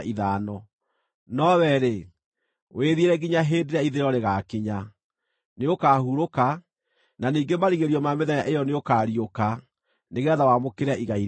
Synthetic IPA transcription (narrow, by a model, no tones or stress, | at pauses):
ʔiðaːnɔ | nɔwɛɾe | weðieɾɛɡiɲaɦeːndeɾaiðeɾɔɾeɣakiɲa | neokaːhuɾoka | naniːŋɡemaɾiɣeɾiɔmameðɛjaʔejɔneokaːɾioka | neɣɛðawamokeɾeaʔiɣai